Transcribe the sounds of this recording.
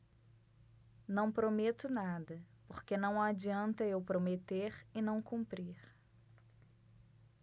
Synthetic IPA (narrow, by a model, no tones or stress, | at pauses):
nɐ̃w̃pɾomet̪ʊnad̪ɐpoɾkenɐ̃w̃ad͡ʒiɐ̃nt̪ɐewpɾomet̪eɾɪnɐ̃w̃kũmpɾiɾ